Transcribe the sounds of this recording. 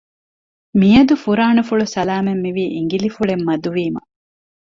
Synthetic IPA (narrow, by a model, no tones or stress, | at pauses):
mijɐd̪ufuɾaːnufuɭusɐlaːmemːiʋiːʔiŋɡilifuɭemːɐd̪uʋiːmɐ̰